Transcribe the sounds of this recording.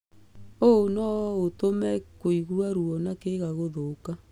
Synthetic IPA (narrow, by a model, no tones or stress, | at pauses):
oonɔotomɛkoiɣuwaɾuɔnakeɣaɣoðoka